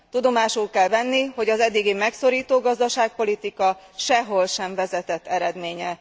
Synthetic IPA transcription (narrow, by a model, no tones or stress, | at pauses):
t̪ud̪o̞maːʃulkɛlvɛnːiɦo̞ɟɒzɛd̪ːiɡimɛkso̞ɾiːt̪oːɡɒzd̪ɒʃaːk̚po̞lit̪ikɒ | ʃɛɦo̞lʃɛɱvɛzɛt̪ɛt̪ːɛɾɛd̪meːɲɛ